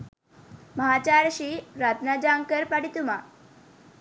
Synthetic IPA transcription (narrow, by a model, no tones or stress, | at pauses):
məɦat͡ɕaɾɕiɾat̪nad͡ʑaŋkəɾpaɽit̪uma